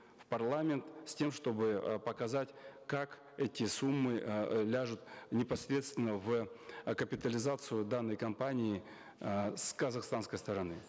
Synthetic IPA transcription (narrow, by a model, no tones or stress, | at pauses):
fpɐrlˠamʲɪnt̪sʲtʲe̞mʂt̪o̞bɨpəkɐzatʲkak | ɛtʲɪsumːɨlʲaʐʊt̪nʲɪpɐsʲɾʲe̞t̪st̪vʲɪnːəvkəpʲɪt̪əlʲɪzat̪sɨjʊd̪anːəjkɐmpanʲɪː | skəzaxst̪anskəjst̪əɾɐnɨ